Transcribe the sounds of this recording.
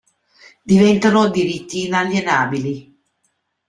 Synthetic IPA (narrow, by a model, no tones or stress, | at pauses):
d̪ivɛnt̪anod̪iɾit̪ːiːnaljenaːbili